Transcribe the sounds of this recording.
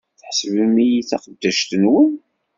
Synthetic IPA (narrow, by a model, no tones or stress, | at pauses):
θħəsəvəmijit͡sæqəd̪ːæʃt̪ənwən